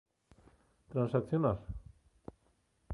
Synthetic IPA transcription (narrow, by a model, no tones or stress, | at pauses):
t̪ɾansakθjunaɾ